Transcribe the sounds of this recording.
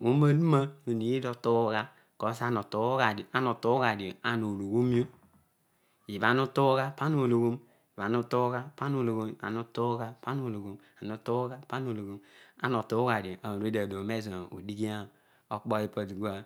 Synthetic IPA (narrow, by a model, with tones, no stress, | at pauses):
u˦ma˦du˦ma˦o˨ni˨ji˦do˨to˦ɡa˦ | ko˨˦sa˦no˨to˨˦ɡa˨do˨ʔa˦no˨to˦ɡa˨di˨o˨a˨nu˨lu˨ɡu˦m˦o˦ | i˨ba˨nu˦tu˦ɣa˦pa˦nu˨lu˨ɡo˦m | i˨βa˨nu˦tu˦ɣa˦pa˦nu˨lu˨ɡo˦˨a̰˨nu˦to˦ɡa˦pa˦nu˨lu˨ɡo˦m | a˨nu˦tu˦ɡa˦pa˦nu˨lu˨ɡo˦ma̰˦no˨tu˦ɡa˨do˨ʔa˨ɾi˦da˨do˨me˦zṵ˨di˦ɡi˦a˦ | o˦k͡po˦i˦pa˨di˨ɡu˦a˦